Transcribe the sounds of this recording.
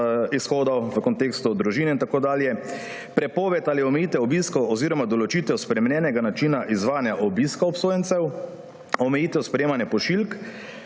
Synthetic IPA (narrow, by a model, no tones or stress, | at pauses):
isxoːd̪ɔwʋəkɔnt̪eːkst̪ud̪ɾuʒiːnɛint̪akoːd̪aːljɛ | pɾɛpoːʋɛt̪aliɔmɛjiːt̪ɛɔbiːskɔwɔziːɾɔmad̪ɔlɔt͡ʃit̪ɛwspɾɛmɛnjɛːnɛɡanat͡ʃiːnaʔizʋaːnjaʔɔbiskaɔpsoːjɛnt̪sɛw | ɔmɛjiːt̪ɛwspɾɛjeːmanjɛpɔʃilk